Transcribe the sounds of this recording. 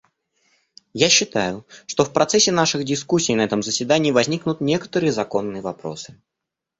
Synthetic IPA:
jaɕːɪt̪ajʊʂt̪o̞fpɾɐt̪sɛsʲːɪnaʂɨɣdʲɪskusʲːijnɐɛt̪əmzəsʲvʲɪd̪anʲɪːəvɐzʲnʲiknʊt̪nʲe̞kə̥t̪əɾɨjəzɐko̞nːɨjəvɐpɾo̞̰sɨ̥

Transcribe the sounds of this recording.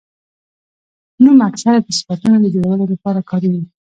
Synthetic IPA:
numaksaɾap̪əsə̥fat̪unod̪əd͡ʒowawəlolapɑɾakʰɑɾiwi

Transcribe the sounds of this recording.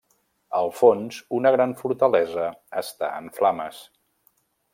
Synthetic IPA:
əlˠfonzunəɣɾaɱfuɾt̪əlɛzəːst̪a̰ə̰ɱflaməs

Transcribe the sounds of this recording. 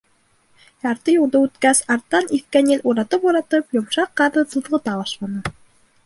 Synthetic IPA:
jɑɾt̪ɤjŏlˠd̪ɤʉt̪kæsɑɾt̪ːɑnifkænɘlʲʔuɾɑt̪ɤpuɾɑt̪ɤpjŏmʃɑqːɑðɤsɤ̆ðʁɤ̆t̪ɑbɑʃlˠɑnɤ

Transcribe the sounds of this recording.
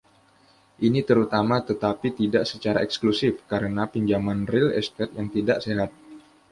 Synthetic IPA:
ʔinit̪əɾut̪amat̪ət̪apit̪idaʔsət͡ʃaɾa̰ɛksklusɪfkaɾənapiɲd͡ʒamanrɪlɛ̰st̪ɛt̪̚jaŋt̪idaʔseɦat̪̚

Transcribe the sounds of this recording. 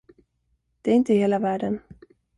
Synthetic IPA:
d̪̥ɛæɾɪnt̪əheːlavæːɖən

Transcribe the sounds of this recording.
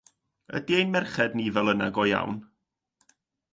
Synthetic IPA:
ə̰diejnmɛrχɛdniːvɛlˠənaɡɔja̰wn

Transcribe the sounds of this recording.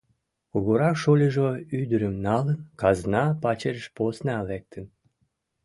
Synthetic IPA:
kuɣoɾɑkʃolʲəʒoyd̪əɾəmnɑlənkɑznɑpɑt͡ɕerəʃposneɑlek̚t̪ʰən

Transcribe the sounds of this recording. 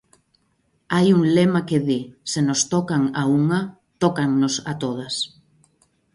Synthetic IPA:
ajuŋlemakeðisenost̪ɔkaŋauŋɐ | t̪ɔkaŋnosa̰t̪oðɐs

